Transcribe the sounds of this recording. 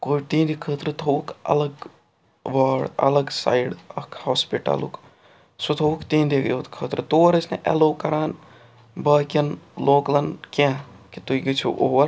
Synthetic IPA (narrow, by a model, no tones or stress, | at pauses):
koːt̪ĩːnd̪ikʰəːt̪ɾɨt̪ʰokɐ̰lɐɡ | ʋəːɽɐ̰lɐɡsa̰ːjɽɐkʰhoːspiʈɐ̰lṵk | sut̪ʰoːukt̪iːnd̪ikot̪kʰəːt̪ɾɨt̪oːɾəsneʔḛloːkɐɾaːn | bəːkʲɐnloːklɐnkẽkit̪uiɡit͡ʃʰṵʔoːʋɐɾ